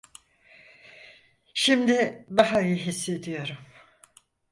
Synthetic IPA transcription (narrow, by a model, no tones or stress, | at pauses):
ʃimd̪ɪd̪aɦaøjɯɦisːe̞d̪ijo̞ɾum